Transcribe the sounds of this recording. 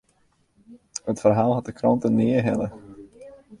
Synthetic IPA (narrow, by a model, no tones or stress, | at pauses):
hətfərɦalˠɦat̚dəkrɔntənːɪəɦɛ̰lə